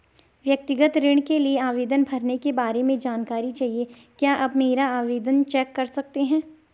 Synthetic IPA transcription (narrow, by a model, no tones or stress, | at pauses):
ʋjɐk̚t̪ɪɡət̪ɾɪɽ̃kelieaːʋeːd̪ənbʱɐɾnekebaːɾemẽd͡ʒaːnkaːɾit͡ʃaːɦie | kjaːʔɐbmeːɾaaːʋeːd̪ənt͡ʃɛːkːɐɾsɐk̚t̪eɦɛ̃ː